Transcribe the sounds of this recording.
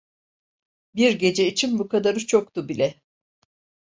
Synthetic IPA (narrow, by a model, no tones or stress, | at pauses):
biɾɟe̞d͡ʒɛit͡ʃʰinbukʰad̪aɾɯt͡ʃʰo̞k̚t̪ubilʲɛ